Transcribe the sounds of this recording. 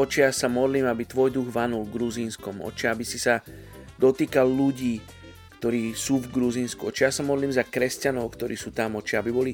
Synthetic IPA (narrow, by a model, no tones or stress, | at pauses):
ɔt͡ʃiasamɔd̪liːmabit̪ʋɔjd̪uɣʋanulɡɾuziːnskɔmɔ̰t͡ʃaabisisa | d̪ɔt̪iːkalʎuɟiː | kt̪ɔɾiːsuːvɡɾuziːnskuɔt͡ʃijasamɔd̪liːmzakɾɛscanɔʊkt̪ɔɾiːsuːt̪amɔt͡ʃaabibɔli